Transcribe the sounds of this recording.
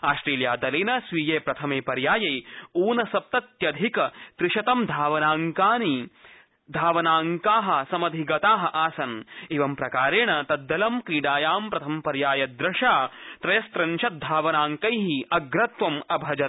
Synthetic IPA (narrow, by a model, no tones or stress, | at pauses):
aːʃʈɾeːljaːd̪ɐlinɐsʋiːjeːpɾɐt̪ʰɐmeːpɐɾjaːjɐjuːnɐsɐp̚t̪ɐt̪jɐd̪ʱikɐt̪ɾɪʃɐt̪ɐmd̪ʱaːʋɐnaːŋkaːni | d̪ʱaːʋɐnaːŋkaːɦɐ̆sɐmɐd̪ʱiɡɐt̪aːɦɐʔaːsɐniʋɐmpɾɐkaːɾeːɳɐt̪ɐd̪ːɐlɐmkɾiːɖaːjaːmpɾɐt̪ʰɐmpɐɾjaːjɐd̪ɾɐʂaːt̪ɾɐjɐst̪ɾɐnʃɐt̪̚d̪ʱaːʋɐnaːŋkɐjɦiɐɡɾɐt̪ʋɐmɐbʱɐd͡ʒɐt̪̚